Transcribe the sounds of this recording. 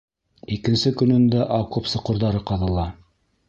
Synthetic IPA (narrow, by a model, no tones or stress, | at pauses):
ikɘ̆nsɘkɵ̆nɵ̆nd̪æʔɑkopsɤ̆qŏɾðɑɾɤqɑðɤ̆lˠɑ